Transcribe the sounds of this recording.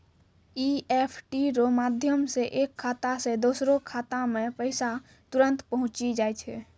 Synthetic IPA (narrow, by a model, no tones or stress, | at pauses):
iːeːpʰʈiɾomaːd̪ʱjəmseʔeːkʰːaːt̪ased̪oːsɾõkʰaːt̪amẽpəɪsa | t̪ʊɾə̃nt̪pəɦʊ̃t͡ʃid͡ʒaːit͡ʃʰɛ